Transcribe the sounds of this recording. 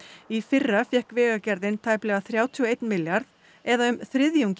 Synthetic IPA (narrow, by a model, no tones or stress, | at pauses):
ifɪrːafjɛhkvɛːɣacɛɾðɪnt̪ʰaːjplɛːɣaθɾjaːwt̪ʰiɔejt̪nmɪljaɾð | ɛðaʏmθɾɪðjuwŋɲc